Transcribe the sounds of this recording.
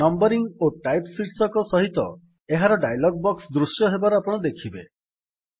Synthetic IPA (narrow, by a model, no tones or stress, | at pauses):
nɔmbɔɾiŋoʈajpsiʈsɔkɔsɔɦit̪ɔ̰ | eɦaɾɔɖajlɔɡ̚bɔksd̪ɾusjɔɦebaɾɔapɔɽ̃ɔd̪ekʰibe